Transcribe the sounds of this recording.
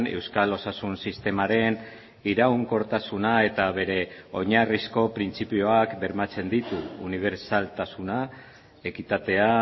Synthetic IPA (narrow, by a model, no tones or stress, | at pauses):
ne̞̰wskalo̞sasunsist̪e̞maɾe̞n | iɾauŋko̞ɾt̪asunae̞t̪aβe̞ɾe̞o̞ɲarisko̞pɾint͡sipio̞akbe̞ɾmat͡se̞nd̪it̪uːniβ̞e̞ɾsalt̪asuna | e̞kit̪at̪e̞a